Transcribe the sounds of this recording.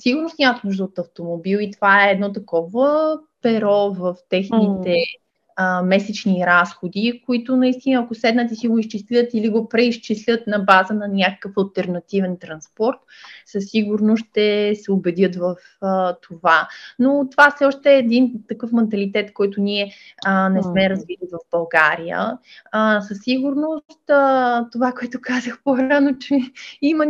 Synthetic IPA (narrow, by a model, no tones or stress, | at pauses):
siɡʊɾnost̪nʲamət̪nuʒd̪əot̪ɐft̪omobilˠit̪ovaɛːd̪nɔt̪ɐkɔvəpɛɾɔvəft̪ɛxnit̪ɛ | mɛsɛt͡ʃniɾasxod̪ikoit̪ʊnɐist̪inəːkʊsɛd̪nət̪ɛsiɡoist͡ʃislʲət̪iliɡopɾɛist͡ʃislʲət̪nɐbazənɐnʲakə̥kəfɐlˠt̪ɛɾnɐt̪ivɛnt̪ɾɐnspɔɾt̪səsːiɡʊɾnoʃt̪ɛsɛʊbɛd̪jɤt̪vəf | ət̪ʰovanot̪ovafsɛɔʃt̪ɛːd̪int̪ɐkɤfmɛnt̪ɐlit̪ɛt̪kɔjt̪ʊniɛ | nɛsmɛɾəzvid̪ət̪vəvbɐlˠɡa̰ɾijə̰ | səsːiɡʊɾnosst̪ːt̪ovakoɛt̪ʊkazəxpoɾanot͡ʃɛimɐ